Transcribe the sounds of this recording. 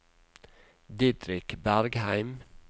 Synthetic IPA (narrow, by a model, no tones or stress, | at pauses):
d̪ɪd̪ɾɪkbæɾɡhæɪm